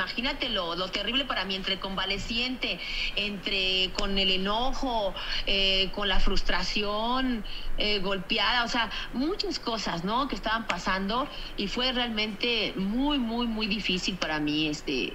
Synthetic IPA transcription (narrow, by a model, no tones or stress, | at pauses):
maxinat̪e̞lolo̞t̪e̞riβ̞le̞paɾamient̪ɾe̞ko̞mbale̞sje̞nt̪e̞ːnt̪ɾeko̞ne̞le̞noxo̞eko̞nlafɾust̪ɾasjo̞neɣo̞lpjaðao̞se̞amut͡ʃasko̞sasno̞keːst̪aβampasand̪o̞ifwe̞realmẽ̞nt̪e̞mujmujmujðifisilpaɾamiest̪ḛ